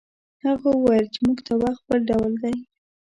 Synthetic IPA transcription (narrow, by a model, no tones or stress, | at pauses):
haɣowajəlt͡ʃemuɡt̪ʰawax̚bəlɖawld̪aj